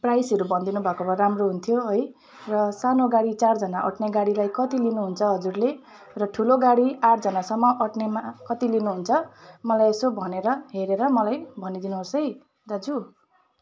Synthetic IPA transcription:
prajsʌɾubʱʌnd̪inubʱakobʌramroɦunt̪ʰjoɦʌj | rʌsanoɡaɽit͡sard͡zʌnaʔʌ̰ʈneɡaɽilajkʌt̪ilinuɦunt͡sʰʌɦʌd͡zurle | rʌʈʰuloɡaɽiaʈ̚d͡zʌnasʌmːʌʔʌʈnemakʌt̪ilinuɦunt͡sʰʌmʌlajesobʱʌneɾʌɦeɾeɾʌmʌlajbʱʌnid̪inuɦosʌj | d̪ad͡zu

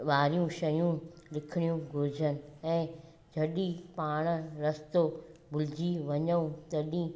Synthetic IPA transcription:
ʋaːɾijũʃɐjũlɪkʰɪɽ̃ijũɡʱʊɾɪd͡ʑʱənɪ̆ɛ̃ː | d͡ʑʱɐɗipaːɽ̃ə̆ɾɐst̪obʱʊlɪd͡ʑiʋɐɲəũt̪ɐɗĩː

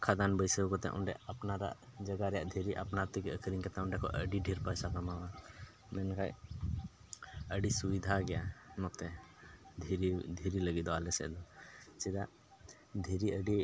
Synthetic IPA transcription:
kʰad̪anbəjsəwkɔt̪ɛ̰ʔɔ̰ɳɖɛ̰ʔapnaɾa̰ʔd͡ʒəɡaɾɛja̰ʔd̪ʱiɾiʔapnaɾt̪ikəkɾiŋkɛt̪ɛɔɳɖɛkʰɔ̰ʔəɖiɖʱiɾpajsakamawa | mɛnkʰaj | əɖisubid̪ʱaɡɛjanɔt̪ɛd̪ʱiɾid̪ʱiɾiləɡid̪ɔalɛsɛ̰ʔd̪ɔsid̪a̰ʔ | d̪ʱiɾiəɖi

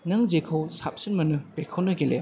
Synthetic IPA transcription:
nɐŋzekʰɐwsap̚sinmɐnɯpekʰɐwnɐɡelḛ

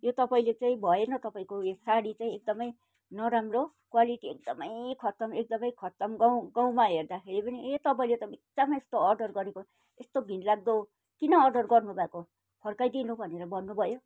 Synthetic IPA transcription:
jot̪ʌpaĩlet͡sãĩbʱʌjenʌt̪ʌpaĩkoesaɽit͡sãĩek̚d̪ʌmʌj | nʌɾamro | kwaliʈiek̚d̪ʌmʌjkʰʌt̪ʌmek̚d̪ʌmʌjkʰʌt̪ʌmɡʌw̃ɡãw̃maɦerd̪akʰeɾipʌniet̪ʌp̬aĩlet̪ʌiek̚damest̪oʌrɖʌrɡʌɾeko | est̪oɡʱinlaɡ̚d̪o | kinʌːrɖʌrɡʌrnubʱako | pʰʌrkajd̪inubʱʌneɾʌbʌnːubʱʌjo

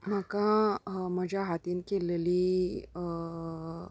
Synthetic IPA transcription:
m̤əkãməd͡ʑʱaɦat̪iːnkeleliː

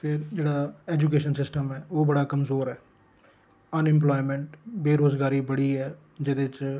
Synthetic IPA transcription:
pʰɪɾd͡ʒeːɽaːɛːd͡ʒuk̬eːʃənsɪsʈəmɛːoːbəɽaːkəmzoːɾɛː | ənɪ̃mplɔːimɛ̃ɳʈbeːɾoːzɡaːɾiːbəɽiːɛː | d͡ʒɪd̪eːɪt͡ʃ

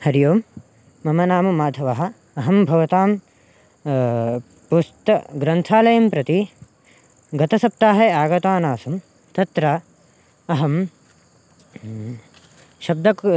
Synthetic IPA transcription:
hɐɾjoːmː | ɐmɐnaːmɐmaːd̪ʱɐʋɐɦɐ̆ | ɐɦɐmbʱɐʋɐt̪aːm | pust̪ɐɡɾɐnt̪ʰaːlɐjɐmpɾɐt̪i | ɡɐt̪ɐsɐp̚t̪aːɦɐaːɡɐt̪aːnaːsum | t̪ɐt̪ɾɐː | ɦɐm | ʃɐb̚d̪ʱɐk

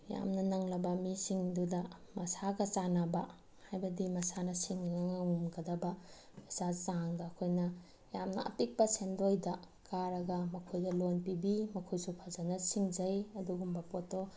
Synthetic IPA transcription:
ja̰mnɐnɐŋlɐbɐmisiŋdudɐmɐsaɡɐt͡ʃanabɐ | hajbɐdimɐsanɐsiŋaŋaŋmɡɐdɐbɐ | esat͡ʃaŋdɐːkʰojnɐ | jamnɐ̰ɐ̰pik̚pɐsendojdɐ | kaɾɐɡɐmɐkʰojdɐlonpibimɐkʰojsupʰazanɐsiŋd͡ʒɐjɐduɡumbɐpoto

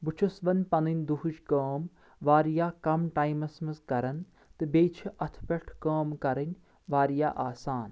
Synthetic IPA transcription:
but͡ʃʰusʋɐnʲpɐnɨnʲd̪uɦuʃkɐːm | ʋaːɾijaːkɐmʈaːjmɐsmɐskɐɾɐn | t̪ɨbeːt͡ʃʰiʔɐt̪ʰpʲɐʈʰkaːmkɐɾɐnʲ | ʋaːɾija̰ːʔaːsaːn

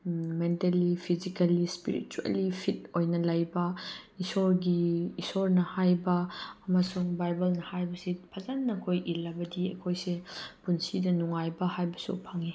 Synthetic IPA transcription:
mentɐlipʰizikɐlispḭɾḭt͡ʃuḛlipʰit̚ojnɐlɐjbɐisɔɾɡiisɔɾnɐhajbɐːmasuŋbajbɐlnɐhajbɐsipʰɐzanːɐkʰojʔilabɐdiɐ̰kʰojsepunsidɐnuŋajbɐhajbɐsṵpʰaŋi

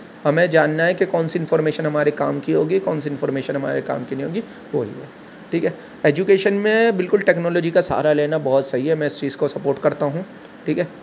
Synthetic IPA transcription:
ɦɐmẽd͡ʒaːnːaɦɛkekɔːnsiɪ̃nfɔːɾmeːʃənɦɐmaːɾekaːmkiɦoːɡikɔːnsiɪ̃nfɔːɾmeːʃənɦɐma̰ːɾeka̰ːmkinəɦĩɦoːɡi | ʋoːɦḭɦɛː | ʈʰiːkɦɛː | eːd͡ʒukeːʃənmẽbɪlkʊlʈɛːknɔːlɔːd͡ʒikasa̰ːɾaleːnabɔɦʊt̪sɐɦiɦɛmɛ̃ɪst͡ʃiːzkosɐpoːɾʈkɐɾt̪aɦũ | ʈʰiːkɦɛː

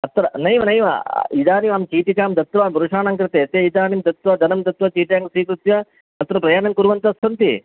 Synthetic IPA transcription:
ɐt̪ɾɐnɐjʋɐnɐjʋɐ̰id̪aːniʋaːmt͡ʃiːʈikaːmd̪ɐt̪ʋaːmbɐɾuʂaːnaːŋkɾɨt̪eːɐt̪eːit̪aːnimd̪ɐt̪ʋɐd̪ɐnɐmd̪ɐt̪ʋɐt͡ʃiːʈjaːŋɡsiːkɾut̪jɐ | ɐt̪ːɾɐpɾɐjaːnɐmkuɾʋɐnt̪ɐst̪ʰɐnt̪i

